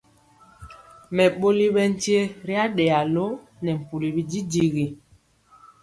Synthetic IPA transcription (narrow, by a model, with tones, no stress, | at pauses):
mɛ˨ɓo˦li˦ɓɛ˦n˦ti˦e˦ɾi˦a˦ɗɛ˨a˨lo˦ | nɛ˨m̩˨pu˨li˨bi˦d͡ʒi˦di˨ɣi˨